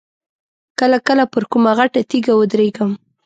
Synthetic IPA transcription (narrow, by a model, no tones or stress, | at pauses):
kəlakəlapəɾkʊmaɣaʈat̪iɡawʊd̪ɾeɡəm